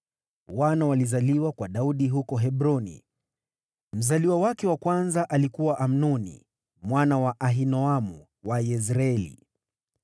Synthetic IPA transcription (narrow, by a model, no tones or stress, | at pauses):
wanawalizaliwakwaɗauɗiɦukɔɦɛbɾɔnḭ | m̩zaliwawakɛwakwanzaʔalikuwaʔam̩nɔnḭ | mwanawaʔaɦinɔamu | wajɛzɾaɛlḭ